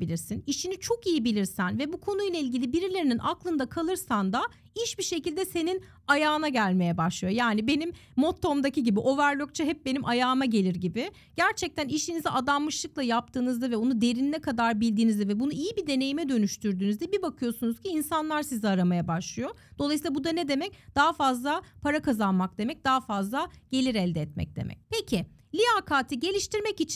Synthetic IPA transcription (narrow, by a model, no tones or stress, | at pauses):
ilʲiɾsiniʃinit͡ʃʰo̞kijibilʲiɾsænvɛbukʰo̞nujlˠailʲɟʲilʲibiɾilʲe̞ɾininʔaklˠɯnd̪akʰalˠɯɾsand̪a | iʃbiʃe̞cilʲd̪ɛse̞nin | ajaːɯnaɟælʲme̞jɛbaʃlˠɯjojaːnibe̞nimːo̞t̪ʰːo̞md̪aciɟibiʔo̞væɾlʲok̚t͡ʃʰaɦɛp̚benimʔajaːmaɟe̞lʲiɾɟibɪ | ɟ̥æɾt͡ʃʰɛc̚t̪ʰæniʃiniziʔad̪anmɯʃlˠɯklˠajap̚t̪ʰɯːnɯzd̪avɛonud̪e̞ɾinnɛkʰad̪aɾbilʲd̪iːnizd̪ɛvɛbunuijibid̪e̞ne̞jimɛd̪ø̞nyʃt̪ʰyɾd̪yːnyzd̪ɛbibakʰɯjo̞sunuz̥cʰiːnsanlˠaɾsiziaɾamajabaʃlˠɯjo̞ | d̪̥o̞lˠajs̬ilˠabud̪anɛd̪e̞mɛc̚d̪̥aɦafazlˠapʰaɾakazanmak̚d̪e̞mɛc̚d̪aɦafazlˠaɟ̥e̞lʲiɾɛlʲd̪ɛːt̪̚mɛ̰c̚d̪ḛmɛ̰c̚pʰecʰɪlʲiaːkʰaːt̪ʰiɟe̞lʲiʃt̪iɾmɛcit͡ʃʰ